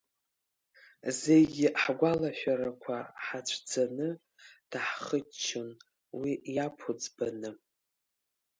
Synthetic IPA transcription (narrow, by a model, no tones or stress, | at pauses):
zejɡʲɪʔħɡʷalaʃʷᶣaɾakʷʰaħat͡ʃʷʰd͡zanɨ | d̥aħχət͡ʃʰːon | wijapʰod͡zbanɨ